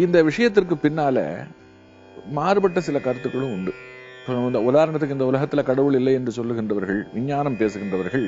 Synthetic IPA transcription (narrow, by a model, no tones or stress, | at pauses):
ɪnd̪ɐʋɪʂɐjɐt̪̬ːɪrkɯpɪnːaːlɛ̰ | maːɾɯbɐʈːɐsɪlɐkɐɾɐt̪ːɯkːɐɭɯ̃ʊɳɖɯsɔnd̪ɐʊðaːɾɐɳɐt̪̬ːɯkːɯɪnd̪ɐʊlɐɣɐt̪ːɪlɐkɐɽɐʋɯɭɪlːɐɪɛndrɯsɔlːɯɣɪndrɐʋɐɾɣɐɭʋɪɲːaːnɐmpeːsɯɣɪndrɐʋɐɾɣɐɭ